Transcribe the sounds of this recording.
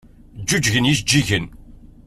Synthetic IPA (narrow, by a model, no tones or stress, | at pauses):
d͡ʒːud͡ʒʝənjisd͡ʒːiʝən